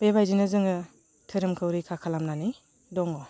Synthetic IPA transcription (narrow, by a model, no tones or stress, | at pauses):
b̥ebajzinɯzɯŋɯ | tʰɯɾɯmkʰɯwɾikʰakʰalamnani | dɔŋɔ